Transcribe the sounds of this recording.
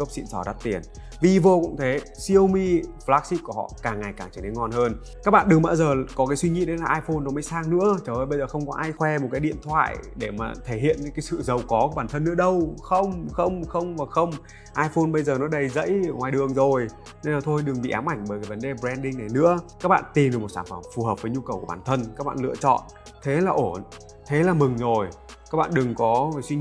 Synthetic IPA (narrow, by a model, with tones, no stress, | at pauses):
kə˦˥wp̚sḭ˧˨nsɔ˧˩ɗa˦˥t̚t̪i˨˩ən | vi˨˩vo˧kʊ̰˧˥ŋ͡mt̪ʰe˨˦ | si˧əwmi˧flaː˦˥k̚si˦˥p̚ku˧˩əhɔ̰˧˨kaː˨˩ŋːa˨˩jkaː˧˩ŋt͡ɕə˧˩ɗe˨˦ŋɔ˧nhəː˧n | kaː˦˥k̚ɓa̰ː˧˨nɗɨ˨˩ŋ͡mɓaː˧zəː˨˩kɔ˨˦kaː˨˦jswi˧ŋḭ˧˥ɗə˨˦laː˨˩ʔaː˧jfo˧nːɔ˨˦məː˨˦jsaː˧ŋnɨ̰˧˥ət͡ɕəː˨˧˩ʔəː˧jɓə˧jzəː˨˩xə˧wŋ͡mkɔ˨˦ʔaː˧jxwɛ˧mo˨˩t̚kaː˨˦jɗḭ˧˨ənt̪ʰwa̰ː˧˨jɗe˧˩ma̰ː˨˩t̪ʰe˧˩hḭ˧˨ən˧˦ŋkaː˨˦jsɨ̰˧˨zə˨˩wkɔ˨˦kːɓaː˨˩nt̪ʰə˧nːɨ̰˧˥əɗə˧wxə˧wŋ͡mxə˧wŋ͡mxə˧wŋ͡mvaː˨˩xə˧wŋ͡m | ʔaː˧jfo˧nɓə˧jzəː˨˩nɔ˨˦ɗə˧˩jzə̰˧˥jŋwaː˨˩jɗɨ˨˩əŋzo˨˩j | ne˧naː˨˩t̪ʰo˧jɗɨ˨˩ŋɓḭ˧˨ʔaː˨˦wmʔa˧˩jŋ̟ɓəː˧˩kaː˨˦və˨˦nɗe˨˩ɓzɛ˧nɗï˧ŋna˨˩jnɨ̰˧˥əkaː˦˥k̚ɓa̰ː˧˨nt̪i˨˩mɗɨ˨˩kmo˨˩t̚saː˧˩nfə˧˩mfu˨˩həː˨˩p̚vəː˨˦jɲu˧kə˨˩wku˧˩ɓaː˧˩nt̪ʰə˧nkaː˦˥k̚ɓa̰ː˧˨nlɨ̰˧ət͡ɕɔ̰˧˨n | t̪ʰe˨˦laː˨˩ʔo˧˩n | t̪ʰe˨˦laː˨˩mɨ˨˩ŋzo˨˩jkaː˦˥k̚ɓa̰ː˧˨ɗɨ˨˩ŋkɔ˨˦˨swi˧